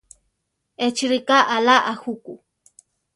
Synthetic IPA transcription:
et͡ʃɾikaʔalaʔahuku

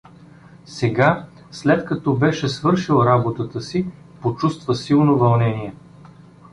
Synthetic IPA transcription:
sɛɡa | slɛt̪kɐt̪ɔbɛʃɛsvɤɾʃilˠɾabot̪ət̪əsi | pot͡ʃust̪vəsilˠnovɐlˠnɛniɛ

